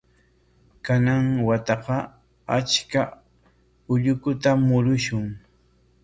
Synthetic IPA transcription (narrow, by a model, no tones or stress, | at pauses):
kanaŋwat̪ɑqɑ | at͡ʃka | ʊʎʊkʊt̪amʊɾʊʃʊŋ